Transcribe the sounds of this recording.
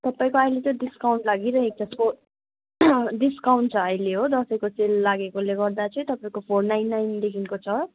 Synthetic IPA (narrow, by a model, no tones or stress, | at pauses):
t̪ʌpaĩkoajlet̪ʌ̃diskawɳʈlaɡiɾʌek̚t͡saspʰo | ɖiskawɳʈ̚t͡sʰʌʌjleɦod̪ʌsʌ̃jkoselːaɡekoleɡʌrd̪at͡sʰʌĩt̪ʌpaĩkopʰornajnːajnd̪ekʰinkot͡sʰʌ